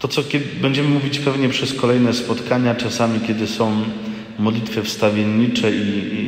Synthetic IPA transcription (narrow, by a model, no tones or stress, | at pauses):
t̪ɔt̪sɔkʲɛbɛɲd͡ʑɛmɘmuvʲit͡ɕpɛvɲɛpʂɛskɔlɛjnɛspɔt̪kaɲat͡ʂasamʲikʲɛd̪ɘsɔ̃w̃ | mɔd̪lʲit̪fɛfst̪avʲjeɲːit͡ʂɛi